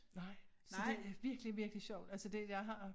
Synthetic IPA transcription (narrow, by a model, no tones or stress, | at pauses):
nɑ̈ɪ̰ | sɒd̥e̝æɐʋiɐɡ̥liʋiɐɡ̥liɕɒʊ̰d̥ælsəd̥e̝jɑ̈ɪɦɑ̈